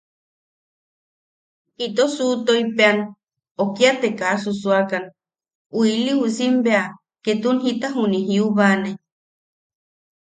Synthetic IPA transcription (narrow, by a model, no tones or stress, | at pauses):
it̪osut̪oipean | okiat̪ekasusuakan | uiliusimbea | ket̪unɦit̪aɦunĩɦiuβane